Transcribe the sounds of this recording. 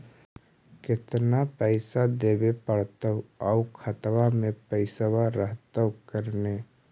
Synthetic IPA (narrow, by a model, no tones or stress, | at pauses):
kɪt̪napəɪsad̪eːbepəɽt̪əwɔʊkʰət̪wamẽpɛɪsəwaɾəɦt̪əwkəɾneː